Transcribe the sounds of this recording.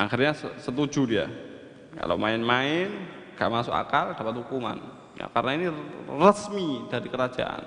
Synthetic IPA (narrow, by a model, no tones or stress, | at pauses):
ʔaxirɲasəsət̪ud͡ʒudia̰ | ka̰la̰wmaɪnmaɪn | ɡ̥a̰ʔmasʊka̰kald̥apat̪̚hukuma̰n | ja̰karnainirəsmid̥aɾikəɾad͡ʒa̰ʔa̰n